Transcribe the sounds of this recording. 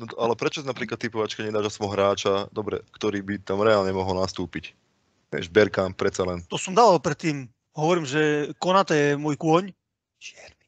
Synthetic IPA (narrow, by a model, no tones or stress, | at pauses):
nɔt̪alɛpɾɛt͡ʃɔsinapɾiːklat̪ːipɔʋat͡ʃkaɲɛd̪aːʒasmɔɦɾaːt͡ʃad̪ɔbɾɛ̰kt̪ɔɾiːbit̪amɾɛaːlɲɛmɔɦɔlnast̪uːpic | ʋɛ̰ʒbɛɾkamp̚pːɾɛt̪t͡salɛnt̪ɔsɔmd̪aːʋalpɾɛt̪ːiːm | ɦɔʋɔɾiːmʒɛkɔnat̪ɔjɛmʊɔjkʊɔɲ | ʃɪɛɾni̥